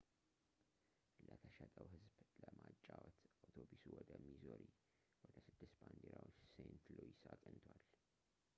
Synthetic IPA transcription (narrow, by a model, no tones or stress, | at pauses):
lət̪ʰəʃɛt̪ʼəwɦɨzbləmat͡ʃʼːawɔt̪awt̪ʰobusuwɔd̪əmizoɾi | wɔd̪əsɨd̪ːɨsband̪eɾawot͡ʃːsent̪loisakʼɨnt̪ʰwal